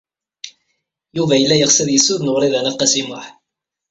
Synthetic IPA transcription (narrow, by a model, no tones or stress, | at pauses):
juvæjəlːæjəʁsæðjəsːuðnəʁɾiðænæqːɑsimʊħ